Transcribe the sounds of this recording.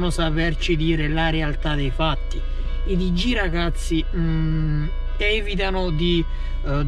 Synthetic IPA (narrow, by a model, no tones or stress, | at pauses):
nʊsapɛrt͡ʃid̪iːɾɪlaɾealt̪ad̪ejfat̪ːi | id̪id͡ʒːiɾaɡat̪sːi | ɛvit̪̬anʊd̪i